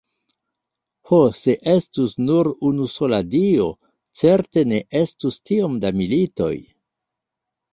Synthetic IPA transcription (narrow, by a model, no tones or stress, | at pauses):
hose̞ʔe̞stusnuɾunuso̞ladio̞ | t͡se̞ɾte̞ne̞ʔe̞stustio̞mdamilito̞̰j